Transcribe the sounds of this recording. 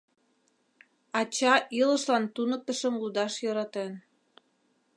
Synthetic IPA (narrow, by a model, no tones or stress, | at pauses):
ɑt͡ɕɑʔiləʃlɑnt̪unək̚t̪əʃəmlud̪ɑʃjɤɾɑt̪en